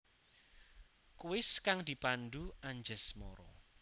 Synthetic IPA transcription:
kuɪskaŋd̪̥i̤pand̪uaɲd͡ʒəsmɔ̰ɾɔ̰

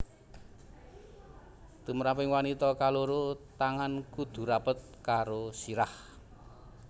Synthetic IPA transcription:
t̪uməɾapɪŋwanit̪ɔkaloɾot̪aŋankud̪̥ṳɾapət̪̚kaɾosiɾah

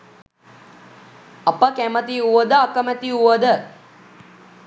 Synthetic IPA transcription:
ɐpəkæmət̪iuʋəd̪əakəmæt̪iuʋəd̪ə

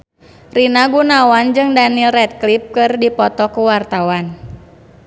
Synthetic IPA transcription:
rinaɡunawand͡ʒɨŋdanilrɛt̪̚klip̚kɨrdipɔt̪ɔkuwart̪awan

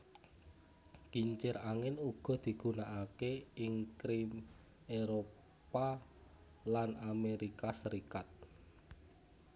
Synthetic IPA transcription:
kiɲt͡ʃɪɾaŋɪnuɡ̥ɔ̤d̪̥i̤ɡ̥ṳnaʔakeɪŋkɾim | eɾo | pa | lanameɾikasəɾikat̪̚

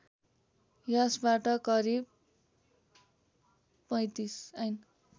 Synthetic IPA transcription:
jʌsbaʈʌkʌɾib̚ | pʌj̃t̪isʌjn

